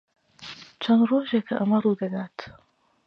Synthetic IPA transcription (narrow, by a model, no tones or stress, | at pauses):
t͡ʃʰɐnroːʒeːkʰɐʔɐmɐruːd̪ɐɡ̪aːt̪